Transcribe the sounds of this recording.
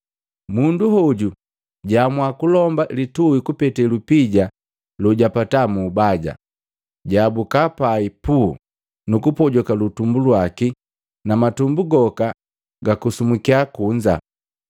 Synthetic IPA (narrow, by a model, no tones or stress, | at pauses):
munduhɔɟu | ɟamwakulɔmbalituwikupɛtɛlupiɟa | luɟapatamubaɟa̰ | ɟabukapaipu | nukupɔɟɔkalutumbulwaki | namatumbuɡɔka | ɡakusumukiakuɲd͡ʒa̰